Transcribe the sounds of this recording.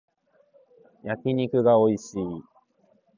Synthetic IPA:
jakʲiɲ̟ikɯ̟ɡao̞iɕiː

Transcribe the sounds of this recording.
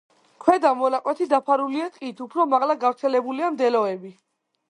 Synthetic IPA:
kʰwɛd̪amɔlaqʼwɛt̪ʰid̪apʰaɾuliat̪ʼqʼit̪ʰupʰɾɔmaʁlaɡavɾt̪sʰɛlɛbuliamd̪ɛlɔɛbi

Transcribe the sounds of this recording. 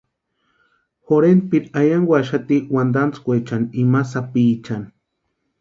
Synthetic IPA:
xoɾen̚piɾajaŋɡʷaʃat̪iwand̪ant͡skʷet͡ʃanimasapit͡ʃan

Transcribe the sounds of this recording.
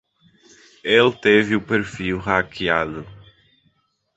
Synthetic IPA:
elt̪evɪʊpeɾfiwɦakiad̪ʊ

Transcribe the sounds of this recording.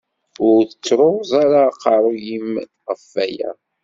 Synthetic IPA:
ʊɾθət͡sːɾozˤaɾaqɑɾˤojim | ʁəfːæjæ̰

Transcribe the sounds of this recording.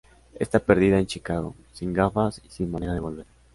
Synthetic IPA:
ḛst̪ape̞ɾðiðae̞nt͡ʃikaɣo̞̰ | siŋɡafasisinmãne̞ɾaðe̞βo̞lβe̞ɾ

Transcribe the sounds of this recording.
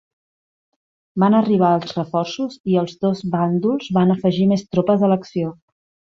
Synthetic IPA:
banəriβ̞aəlˠzrəfɔrsuziəlˠzðozβand̪ulˠzβanəfəʒimest̪ɾopəðələksio

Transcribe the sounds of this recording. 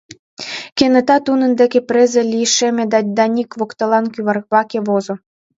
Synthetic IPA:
kenɤ̆t̪ɑt̪unɤ̆nd̪ekepɾezĕlʲijʃĕmʲĕd̪ɑd̪ɑnʲikβokt̪ɤ̆lɑnkyβɑrβɑkĕβozŏ

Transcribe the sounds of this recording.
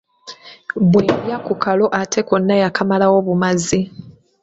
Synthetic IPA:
bwejakukʰalo̞ʔatʰekonːajakʰamalawo̞βumazi

